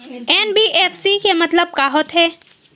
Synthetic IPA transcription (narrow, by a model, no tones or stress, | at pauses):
ɛːnbiʔeːfsikemɐt̪ləb̚kaːɦot̪ɦɛː